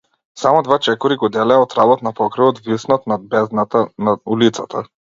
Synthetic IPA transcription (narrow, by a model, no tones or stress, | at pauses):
samɔd̪vat͡ʃɛkɔɾiɡɔd̪ɛlɛaɔt̪ɾabɔt̪napɔkɾɛvɔt̪visnɔt̪nad̪̚bɛznat̪anaulit̪sat̪ʰa